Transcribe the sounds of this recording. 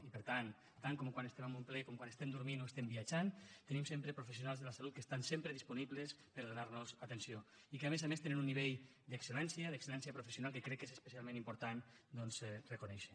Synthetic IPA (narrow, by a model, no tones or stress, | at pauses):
ipəɾt̪an | t̪aŋkɔmkwanəsemambumplɛkɔmkwanest̪ɛmd̪uɾminoest̪embiəd͡ʒant̪ənimsempɾepɾufesiunalˠzðələsalut̪̚kəst̪ansempɾəðispuniβlespəɾðunaɾnuzat̪ensio | ikəamezamest̪enenunːiβeʎ | d̪əksəlɛnsiəðəksəlɛnsiəpɾufəsjunalˠkəkɾɛkːezespəsialˠmẽnimpuɾt̪an | d̪ɔnzrəkunɛʃə̥